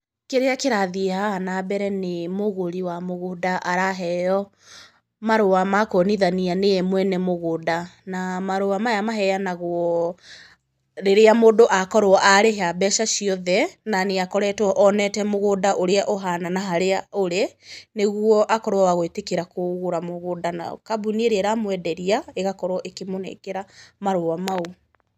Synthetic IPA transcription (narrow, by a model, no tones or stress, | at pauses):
keɾeakeɾaðiehanabɛɾɛnemoɣoɾiwamoɣodaʔaɾaɦɛjɔ | maɾowamakoniðanianemwɛnɛmoɣodanamaɾowamajamaɦɛjanaɣwɔ | ɾeɾeamoːdoʔakɔɾwɔʔaɾeɦabɛʃaʃiɔðɛnaneakɔɾɛtwɔʔɔnɛtɛmoɣodaʔoɾeaʔoɦananaɦaɾeaoɾeneɣwɔʔakɔɾowaaɣoetekeɾakoɣoɾamoɣodana̰kabunieɾeɛɾamwɛdɛɾiaeɣakɔɾwɔʔekemonḛkeɾamaɾowamau